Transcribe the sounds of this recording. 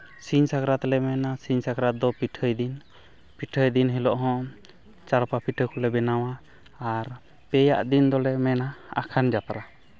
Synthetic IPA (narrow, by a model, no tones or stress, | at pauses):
siɲsakɾat̪lɛmɛnasiɲsakɾat̪̚d̪ɔpiʈʰəjd̪in | piʈʰəjd̪inɦɛlɔʔɦɔ̃ | t͡ʃaɾpapiʈʰəkɔlɛbɛnawaː | ɾ | pɛja̰ʔd̪ind̪ɔlɛmɛnaa̰kʰand͡ʒap̪aɾa